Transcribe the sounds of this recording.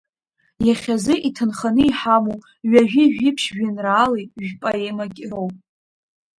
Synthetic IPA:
jaχʲazɨʔitʰɨnχanɨiħamo | ɥaʒᶣɪʒᶣɪpʰʃʒᶣɪnraːlejʒᶣpʼaemakʲʼrowpʼ

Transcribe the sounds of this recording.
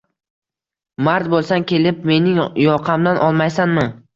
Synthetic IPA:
maɾt̪̚bolˠsankʲe̞lɪp̚me̞nɪŋjɒqʰɑmd̪anʔɒlˠmajsanmɪ

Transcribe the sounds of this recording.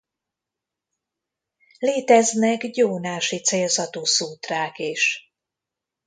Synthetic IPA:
leːt̪ɛznɛɡjoːnaːʃit̪seːlzɒt̪oːsuːt̪raːkeːʃ

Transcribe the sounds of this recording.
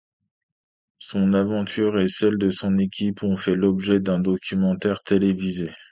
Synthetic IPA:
sɔ̃navɑ̃t̪ʰyʁesɛld̪əsɔ̃nekʲipɔ̃fɛlɔbʒɛd̪ɛ̃d̪ɔkʲymɑ̃t̪ɛʁt̪elevize

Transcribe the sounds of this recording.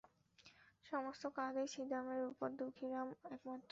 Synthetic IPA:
ʃɔmost̪okad̪eʃid̪ʱameɾupoɾd̪ukʰiɾamɛkmat̪ːɾ

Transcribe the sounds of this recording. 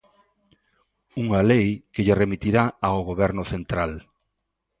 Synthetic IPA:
uŋalejkeʎeremit̪iɾaaoɣoβɛɾnʊθent̪ɾal

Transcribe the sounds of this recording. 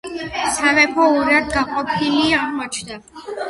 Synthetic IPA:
savɛpʰɔuɾad̪ɡaqʼɔpʰiliaʁmɔt͡ʃʰd̪a

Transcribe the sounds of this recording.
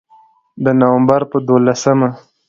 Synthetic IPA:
d̪ənawambaɾpəd̪olasəma

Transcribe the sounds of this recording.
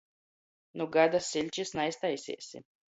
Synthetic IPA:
nuɡad̪asilʲt͡ʃisnaist̪ajsʲḭɛsʲḭ

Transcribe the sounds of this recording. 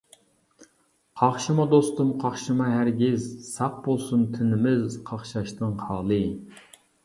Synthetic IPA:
qʰɑχʃɨmɑd̪ost̪umqʰɑχʃɨmɑɦæɾɡʲɪzsɑq̚bolˠsunt̪ʰɪnɪmɪzqʰɑχʃɑʃt̪ɨŋhɑːlˠɨ

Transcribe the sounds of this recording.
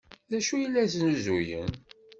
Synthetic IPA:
ðæʃujəlːæsənuzujə̰n

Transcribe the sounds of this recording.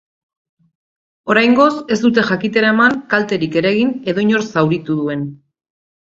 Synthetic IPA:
o̞ɾajŋɡo̞se̞zd̪ut̪e̞ʝakit̪e̞ɾae̞maŋkalt̪e̞ɾike̞ɾaɣ̞ine̞ðo̞iɲo̞ɾsawɾit̪uðue̞n

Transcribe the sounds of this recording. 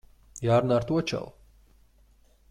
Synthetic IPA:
jaːɾnaːɾt̪uɔt͡ʃa̰lˠ

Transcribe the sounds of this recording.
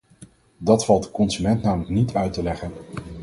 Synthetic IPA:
dɑtfɑlˠt̚dəkɔnzymɛntnaːmələknitʰœɥtəlɛχən

